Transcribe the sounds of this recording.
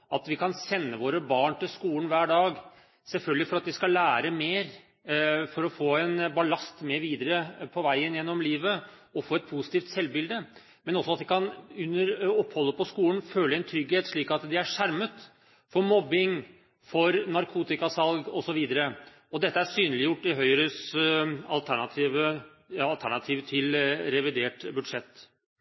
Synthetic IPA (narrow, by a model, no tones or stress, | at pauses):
ɑt̪ʋɪkʰɑnsɛnːəʋoːɾəbɑːɳʈɪlskuːlən̩ʋæːɖɑːɡ | sɛlfœlɡəlɪfɔɾɑt̪ʋɪskɑlːæːɾəmeːɾ | fɔɾɔfoːɛnbɑlɑst̪meːɾʋiːd̪əɾəpʰɔʋæɪənjɛnːɔmliːʋə | ɔfoːɛt̪̚pʰusɪ̥t̪iːft̪sɛlbɪld̪ə | mɛnɔsːɔɑt̪ʋɪkʰɑnʉnːəɾɔpːhɔlːəpʰɔskuːlən̩føːləɛnt̪ʰɾʏɡheːt̪ʂɭiːkɑt̪d̪ɛæʂæɾmət̪ | fɔmɔbɪŋ | fɔɾnɑɾkʰuːt̪ɪkɑsɑlɡɔsɔʋiːd̪əɾə | ɔd̪ɛt̪ːəæsyːnəlɪjʊʈːɪɦœʏɾøːs | ɑ̰lt̪ʰæɳɑt̪ʰiːʋə | ɑlt̪ʰæɳɑt̪ʰiːʋt̪ʰɪlɾɛʋɪd̪eːʈbʉd̪ʂɛt̪ː